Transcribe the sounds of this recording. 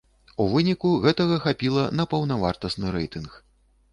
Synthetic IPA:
uvɨnʲikuɣɛt̪ɐɣɐxapʲilˠɐnɐpɐwnavart̪ɐsnɨɾɛjt̪ɨnx

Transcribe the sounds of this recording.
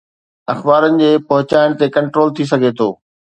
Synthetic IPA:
ɐxbaːɾənɪ̆d͡ʑeːpɐɦʊt͡ɕaːɪɽ̃t̪ekɐ̃ɳʈɾoːlt̪ʰis̬ɐɡʱet̪ʰoː

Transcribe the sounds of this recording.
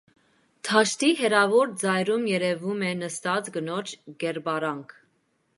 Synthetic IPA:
t̪ʰɑʃt̪iɦɛɾɑvɔɾd͡zɑjɾumjɛɾɛvumɛnəst̪ɑt͡sɡənɔt͡ʃʰɡ̥ɛɾbɑɾɑŋkʰ

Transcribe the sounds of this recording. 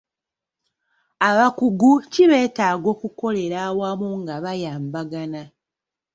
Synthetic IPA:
aβakuɡuciβe̞ːtaːɡo̞ːkuko̞le̞ɾawamuŋɡaβajaːmbaɡana

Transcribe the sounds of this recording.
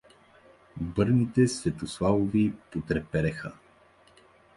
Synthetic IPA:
bɤɾnit̪ɛsvɛt̪oslˠavovipot̪ɾɛpɛɾɛxə

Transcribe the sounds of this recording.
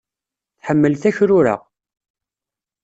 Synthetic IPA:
θħəmːəlθæçɾʊɾa̰

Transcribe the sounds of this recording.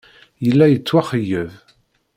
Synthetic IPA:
jəlːæjət͡sːwaχəjːəv

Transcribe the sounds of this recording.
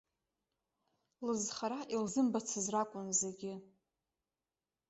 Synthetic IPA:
lɨzχaɾaʔilzɨmbat͡sʰɨzrakʷʼʊnzeɡʲɪ

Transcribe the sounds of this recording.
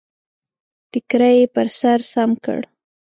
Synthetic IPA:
ʈɪkɾajepəɾsaɾsamkə̰ɽ

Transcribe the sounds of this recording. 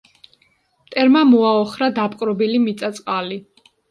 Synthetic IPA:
mt̪ʼɛɾmamɔaɔχɾad̪apʼqʼɾɔbilimit̪sʼat̪sʼqʼali

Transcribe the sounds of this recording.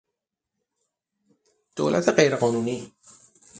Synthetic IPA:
d̪̥o̰ːlʔæ̰t̪ʰeɢe̞jɾeɢɒːnuːniː

